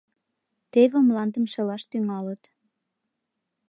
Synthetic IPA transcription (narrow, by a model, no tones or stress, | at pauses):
t̪eβĕmlɑnd̪əmʃĕlɑʃt̪yŋɑlət̪